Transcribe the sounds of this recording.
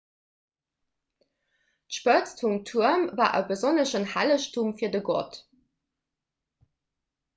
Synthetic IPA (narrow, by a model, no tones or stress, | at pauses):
tʃpət͡stfumtʰuɐmvaːʔəbəzonəʃənhæləɕtumfiːɐdəɡɔ̰t